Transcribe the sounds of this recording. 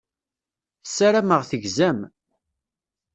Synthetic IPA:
θəsːaɾæməʁθəʝzæm

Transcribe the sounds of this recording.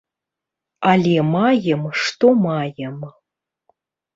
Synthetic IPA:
alʲemajəmʂt̪omajɛm

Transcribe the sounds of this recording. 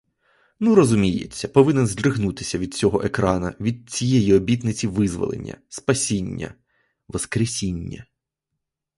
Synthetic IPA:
nuɾɔzʊmʲijḛt͡sʲːɐpɔʋɪnɛnzʲd̪ɾɪɦnut̪ɪ̥sʲɐʋʲid̪t͡sʲɔɦɔ̰ʔekɾɑnɐʋʲid̪̚t͡sʲijejiɔbʲit̪nɪt͡sʲiʋɪzʋɔ̰lˠḛnʲːɐ̰spɐsʲinʲːɐ̰ | ʋɔskɾesʲinʲːɐ̰

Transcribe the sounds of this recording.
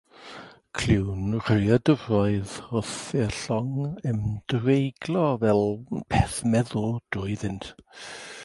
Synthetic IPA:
kʰl̥ɪwnr̥əjadəvrɔɨðʊθɛɬɔŋəmd̥vejɡlˠɔvɛlˠpʰɛθmɛðʊlˠd̥ʊːɨðɪntʰ

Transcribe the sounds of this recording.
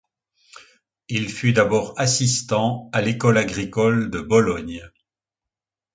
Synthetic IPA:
ilfyd̪abɔːʁasist̪ɑ̃alekɔlaɡʁikɔld̪əbɔlɔɲ

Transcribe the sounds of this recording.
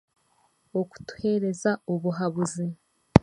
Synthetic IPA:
oku̥tu̥he̞ɾe̞zaoβuɦaβuzi

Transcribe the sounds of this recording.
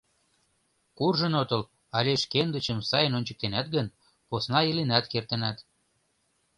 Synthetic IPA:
kurʒə̆not̪ɤ̆l | ɑlʲeʃkend̪ət͡ɕəmsɑjənonʲt͡ɕə̥̆k̚t̪enæt̪̚ɡən | posnɑilinæt̪kert̪ənæt̪

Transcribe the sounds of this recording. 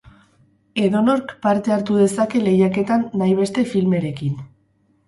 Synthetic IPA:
e̞ðo̞no̞ɾkpaɾt̪e̞aɾt̪uðe̞sake̞le̞jake̞t̪anːajβ̞e̞st̪e̞filme̞ɾe̞kin

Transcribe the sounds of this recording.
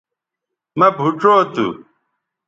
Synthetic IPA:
mɐbʱuʈ͡ʂoːt̪ṵ

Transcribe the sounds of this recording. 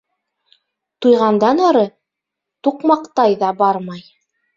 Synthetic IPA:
t̪ujʁɑnd̪ɑnɑɾɤ | t̪uqmɑqt̪ɑjðɑbɑɾmɑj

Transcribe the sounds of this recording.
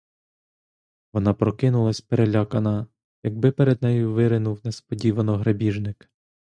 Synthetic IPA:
ʋɔnɑpɾɔkɪnʊlˠɐsʲpeɾelʲakɐnɐ | jɐɡ̚bɪpɛɾɛd̪̚nɛjʊʋɪɾɪnuwnespɔdʲiʋɐnɔɦɾɐbʲiʒnɪk

